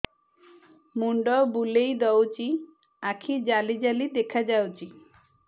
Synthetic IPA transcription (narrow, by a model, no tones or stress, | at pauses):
muɳɖɔbulejd̪ɔwt͡ʃi | akʰid͡ʒalid͡ʒalid̪ekʰad͡ʒawt͡ʃi